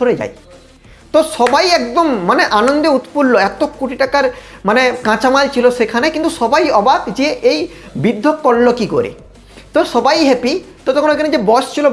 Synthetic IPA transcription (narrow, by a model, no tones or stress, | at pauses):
oɽed͡ʑa̰j | t̪ɔʃɔbajɛk̚d̪omːaneʔanond̪eut̪pulːoɛt̪okoʈiʈakaɾmanekãt͡ɕamalt͡ɕʰilosekʰanekint̪uʃɔbajɔbad̪d͡ʑeʔejbid̪ʱːokːɔlːokiko̰ɾḛ | t̪ɔʃɔbajɦepi | t̪ɔt̪okonoekʰaned͡ʑebɔst͡ɕʰilo